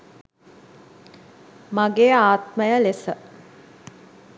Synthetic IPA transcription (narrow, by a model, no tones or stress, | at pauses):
maɡeːaːt̪məjəlesə